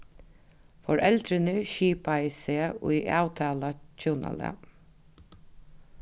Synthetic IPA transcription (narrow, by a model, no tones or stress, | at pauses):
fɔɹʔɛlt̪ɾɪnəʃiːpaiseːʊ̰ʔɑːwt̪ʰɑːlat͡ɕʰuːna̰lɛ̰